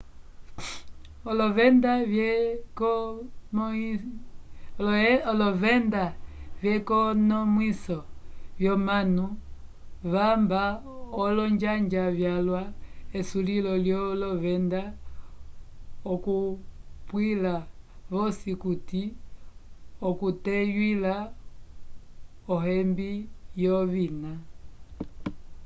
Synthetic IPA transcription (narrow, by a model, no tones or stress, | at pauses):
ɔlɔvɛndajɛkɔm | ɔlɔvɛndavjɛkɔnɔmwisɔvjɔmanu | βamba | ɔlɔɲd͡ʒaɲd͡ʒavjalwaɛsulilɔljɔlɔβɛnda | ɔkupwilaβɔsikuti | ɔkutɛjwila | ɔɦɛmbijɔβina